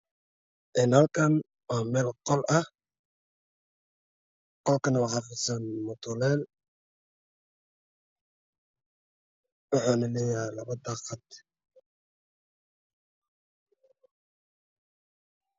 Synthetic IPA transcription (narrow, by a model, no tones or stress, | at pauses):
ʔɪnhɐlkʰɐn | waːmɛːlqɔlɐh | qɔlkʰɐnɐwɑħɑːfɪsanmʊt̪ʰʊlɛːl | wɑħuːnɐlɛjalɐβɐd̪ɑːqɑd̪